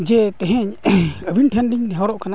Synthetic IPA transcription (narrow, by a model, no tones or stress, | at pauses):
d͡ʒɛt̪ɛɦɛɲəbʱinʈʰɛnɖiɲnɛɦawɾɔʔkʰana